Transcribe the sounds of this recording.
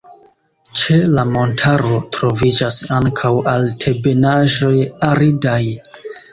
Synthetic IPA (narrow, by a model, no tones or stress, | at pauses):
t͡ʃe̞lamo̞ntʰaɾo̞tɾo̞vid͡ʒasaŋkʰawaltʰe̞be̞naʒo̞jaɾidaj